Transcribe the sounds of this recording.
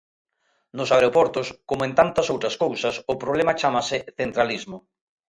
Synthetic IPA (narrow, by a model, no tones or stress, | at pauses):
nʊsaɾeopɔɾt̪ʊskomoẽnt̪ant̪ɐsowt̪ɾɐskowsɐsʊpɾoβlemɐt͡ʃamɐsɪθent̪ɾalizmʊ